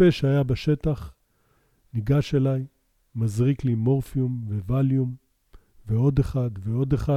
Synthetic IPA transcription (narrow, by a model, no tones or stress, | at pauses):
eʃeajabaʃe̞t̪aχ | niɡaʃelaj | mazʁiklimo̞ʁfiumvevaljum | veo̞d̪eχad̪veo̞d̪eχa